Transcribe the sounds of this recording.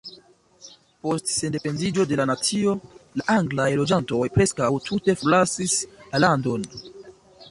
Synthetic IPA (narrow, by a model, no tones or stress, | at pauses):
po̞stse̞nde̞pe̞ndid͡ʒo̞de̞lanat͡sio̞laʔaŋɡlajlo̞d͡ʒanto̞jpɾe̞skawtʰute̞folasislalando̞n